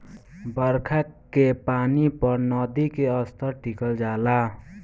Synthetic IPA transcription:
bʌɾkʰakepanipʌɾnʌd̪ikeʌst̪ʌʈikʌld͡zala

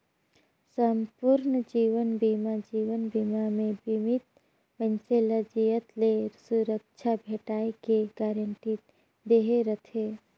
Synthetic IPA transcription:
səmpuɾnd͡ʒiːʋənbimad͡ʒiːʋənbimamẽbimit̪̚ | pənseləd͡ʒijət̪leɾsuɾək̚t͡ʃʰabʱeːʈaːekeɡaːɾəɳʈi | d̪eɦeɾət̪ʰeː

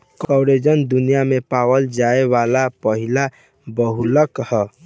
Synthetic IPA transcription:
kɔwɾed͡ʒənd̪unijamepawəld͡ʒaebalapəɦila | bəɦuləkhə

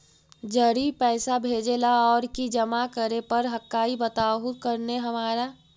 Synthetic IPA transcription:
d͡ʒəɽipɛːsabʱeːd͡ʒelaɔːɾkid͡ʒəmakəɾepəɾɦəkːaːibət̪aːɦukəɾneɦɐmaːɾa

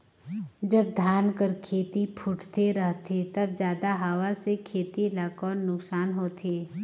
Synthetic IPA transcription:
d͡ʒɐb̚d̪ʱjaːnkəɾkʰeːt̪ipʰʊʈʰt̪eɾəɦt̪ʰet̪ɐbd͡ʒjaːd̪aɦaːʋasekʰeːt̪ilaːkɔːnːʊksaːnɦoːt̪ʰeː

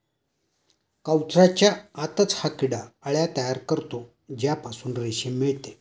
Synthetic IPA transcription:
kawt͡sʰɾat͡ɕjaːt̪ət͡shakiɽaəɭjat̪əjaɾkəɾt̪o | d͡ʑjapasuːnɾeɕimiɭt̪e

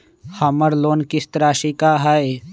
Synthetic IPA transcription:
hɐməɾloːnkɪst̪əɾaːʃikaɦɛe

